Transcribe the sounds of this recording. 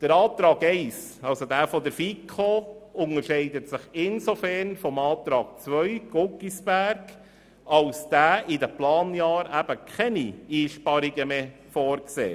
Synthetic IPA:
d̥əɾɑːt̪ɾɑːɡɛɪsɑlsodæːfɔdəɾfikʰχoʊŋəɾʃɛɪdətsɪχɪnsofɛrnfɔmɑːtɾɑːɡ̥̚t͡sʋœʏɡ̥oɡisb̥æɾɡ̥ | ɑlsd̥æːʔɪdəplɑːnjɑːɾæb̥əkʰɛniiːʃpɑɾiɡəmeː | fɔːɾksḛː

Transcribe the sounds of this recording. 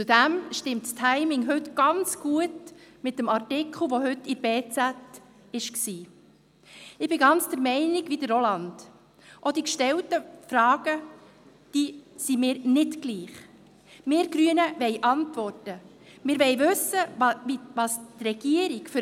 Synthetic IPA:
t͡sudæmʃtɪmtstʰæɪmɪŋɦʉtɡ̥ɑnt͡sɡ̥uətmɪt̚ːəmɑrtɪkʰl̩ˠʋoɦʏtɪɾbeːt͡sæt | ɪʃksiː | ɪb̥ɪɡɑnt͡sd̥əɾmɛɪnɪɡʋidəɾolɑnd̥ | ʔodikʃtɛltəfrɑːɡ̥ə | d̥iːsimɪːɾnɪtɡliːχ | mɪːɾɡ̥ɾyənəvɛɪʔɑntvɔrtə | mɪːɾʋɛɪvɵsəivɑstrɛɡ̥iəɾɪkf

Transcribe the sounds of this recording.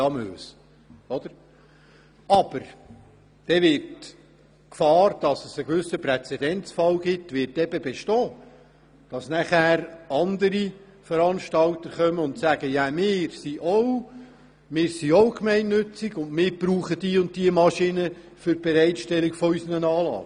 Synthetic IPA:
ɑmøːs | ɔd̥̪əɾ | ɑb̥əɾ | d̥ɛʋɪrt | kfɑːɾd̥ɑsəsəɡ̥vʏsəprɛt͡sɛd̥ɛnt͡sfɑlɡɪtʋɪrtɛb̥əbɛʃtɔː | d̥ɑsnæχæːɾɑnd̪əɾi | fəɾɑnʃtɑltəɾχœməʊntsæɡ̥əjæmɪːɾsiʔɔʊ | mɪːɾsiɔwkmɛɪnːɵt͡siɡʊndmɪːɾb̥ɾuːχəd̥iːʊnt̚tiəmɑʃinə | fʏɾb̥ɛɾɛɪtʃtɛlikfɔysənənɑːlɑ̰ː

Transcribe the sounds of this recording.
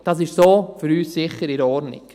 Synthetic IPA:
d̥ɑːsɪʃsoːfyɾyːssɪχəɾɪɾɔɾnɪ̰k

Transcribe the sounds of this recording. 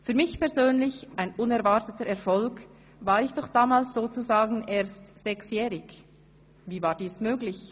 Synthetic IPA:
fyːɐmɪçpɛɐzøːnlɪçʔaɪnʊnɛʁvatətəɾɛɐfɔlk | vaːɾɪçd̥ɔχd̥aːmaːlsz̥oːt͡suzaːɡn̩eːɐstz̥ɛksjɛːʁɪɡ | viːvaːɾd̥iːsmøːɡlɪç

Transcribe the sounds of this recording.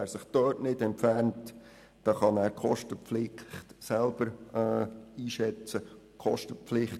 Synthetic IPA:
æːɾsɪχd̥œːtnɪdɛnpfærnt | d̥ɑːχɑnæːɾkχɔʃtəpflɪχtsɛlb̥əɾ | iːʃɛt͡səkχɔʃtəpflɪχt

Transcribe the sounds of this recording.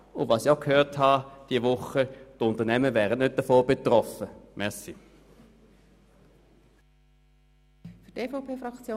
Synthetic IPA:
ʊndvɑːsiaʊkʰhøːʁthɑd̥iəʋʊχətʊntənɛməʋɛːʁənnøt̚d̥ɐfoːb̥etʁɔfəmʔɛsi | fydeːfoʊpʰeːfɾɑkt͡sjoː

